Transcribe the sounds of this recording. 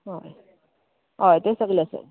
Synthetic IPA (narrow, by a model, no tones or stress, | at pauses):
ɦoj | ɦojt̪esəɡleəsḛ